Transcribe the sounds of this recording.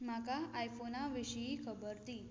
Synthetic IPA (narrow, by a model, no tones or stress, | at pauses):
makaajfonaʋiɕjiːkʰəbəɾt̪iː